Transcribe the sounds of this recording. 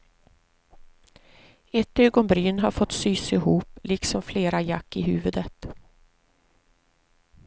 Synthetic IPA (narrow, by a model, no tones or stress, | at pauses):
ɛt̪øːɡɔnbɾyːnɦaɾfɔt̪syːsɪɦuːplʔɪksɔmfleːɾajakːɪɦʉ̟ːvɵd̪ət̪